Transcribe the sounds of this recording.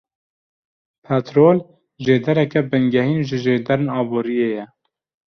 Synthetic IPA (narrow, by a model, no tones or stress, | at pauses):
pʰɛt̪ɾoːl | ʒeːd̪ɛɾɛkɛbɨnɡɛhiːnʒɨʒeːd̪ɛɾenɑːbuːɾijeːjɛ